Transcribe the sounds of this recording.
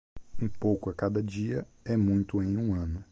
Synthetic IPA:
ũpowkʊɐkad̪ɐd͡ʒiɐ | ɛmũj̃t̪ʊẽj̃ũɐ̃nʊ

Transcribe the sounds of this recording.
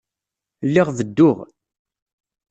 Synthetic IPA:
lːɪʁðəd̪ːʊʁ

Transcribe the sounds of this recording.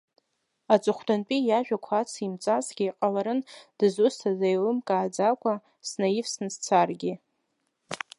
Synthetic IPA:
at͡sʷʼɨχʷdʰanpʼijaʒᶣakʷʰat͡sʰimt͡sʼazɡʲiːqʼalaɾɨnd̥ɨzʊstʰazajlɨmkʼaːd͡zakʷʰʼa | snajifsnɨzt͡sʰarɡʲi

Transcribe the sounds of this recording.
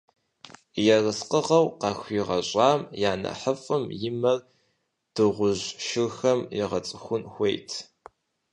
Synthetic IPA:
jɛrɨsqəʁɐwqɑxʷiːʁɐɕʼɑːmjaːnɐ̰ħəfʼɨmjɪmɐr | d̥ɨʁʷʊʑʃɪxɐmjɛʁɐt͡sʼɨxʷʊnxʷejtʰ

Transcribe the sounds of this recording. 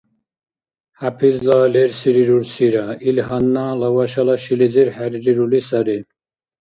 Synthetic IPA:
hapʰizlaːleɾsiɾiɾuɾsiɾailɦɐnːalɐwɐʃɐlɐɕiliziɾhaɾiɾiɾulisɐɾi

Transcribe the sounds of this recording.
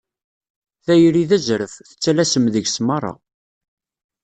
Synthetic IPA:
θæjɾiðæzɾəfθə̥t͡sːælæsəmðəʝsmɑrˤːɑ̰

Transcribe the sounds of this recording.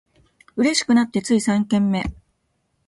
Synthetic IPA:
ɯ̟ɾe̞ɕi̥kɯ̟nat̪ːe̞t͡sɨisãŋkẽ̞mːe̞

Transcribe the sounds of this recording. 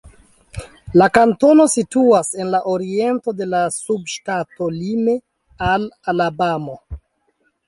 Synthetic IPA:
lakanto̞no̞situase̞nlaʔoɾie̞nto̞de̞lasubʃtato̞lime̞ | alalabamo̞

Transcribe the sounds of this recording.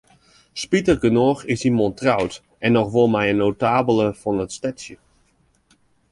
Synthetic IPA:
spitərɡənoːxɪsimɔntrawt | ʔɛnːɔxʋolˠmɛjənːowtaːbəlˠəfɔnətstɛtsjə

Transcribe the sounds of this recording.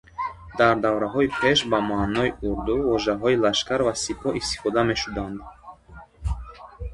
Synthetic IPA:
d̪aɾd̪avɾaɦɔipʰe̞ʃbamanɔiʔuɾd̪uvɔʒaɦɔilaʃkaɾvasipʰɔʔist̪i̥fɔd̪ame̞ʃud̪and̪

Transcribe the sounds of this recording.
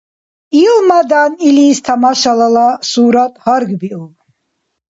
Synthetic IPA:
ilmad̪aniliːst̪ʰamaʃalalasuːɾat̪ʼhaɾɡbiul

